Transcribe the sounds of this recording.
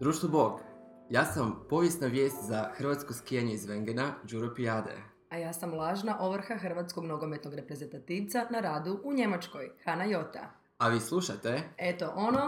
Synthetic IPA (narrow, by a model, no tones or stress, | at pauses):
d̪ɾuːʃt̪obo̞ɡ | jaːsampo̞ʋjesnaʋje̞ːst̪zaxɾr̩ʋat̪sko̞skijaɲeizʋeŋɡenad͡ʒuɾopiad̪ḛ | ajaːsamlˠaːʒnaʔo̞ʋɾ̩xaxr̩ʋat̪sko̞ɡno̞ɡo̞me̞t̪no̞ɡɾe̞pɾe̞ze̞nt̪at̪iːʋt̪sanaɾaːd̪uʔuɲe̞mat͡ʃko̞jxanajo̞t̪a̰ | aʋiːslˠuʃat̪e̞e̞t̪o̞ʔono